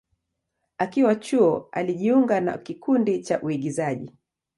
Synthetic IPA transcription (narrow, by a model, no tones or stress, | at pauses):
akiwat͡ʃuɔa̰liʄiuŋɡana̰kikundit͡ʃaʔuiɠizaʄḭ